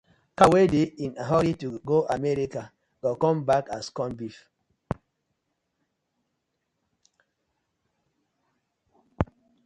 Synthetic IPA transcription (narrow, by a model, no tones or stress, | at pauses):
kawedeinaɦɔɾituɡoʔamɛɾika | ɡ̥ɔkɔ̃mbakaskɔ̃nbif